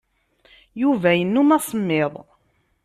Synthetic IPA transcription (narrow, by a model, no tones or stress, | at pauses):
juvæjənːumæsˤəmːeðˤ